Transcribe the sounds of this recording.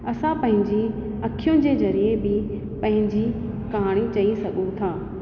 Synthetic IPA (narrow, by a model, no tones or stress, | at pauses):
ɐsãpɐ̃ɦɪ̃ɲd͡ʑi | ɐkʰijʊ̃d͡ʑeːzɐɾiebɪ | pɐ̃ɦɪ̃ɲd͡ʑi | kaːɽ̃it͡ɕɐisɐɠũt̪ʰaː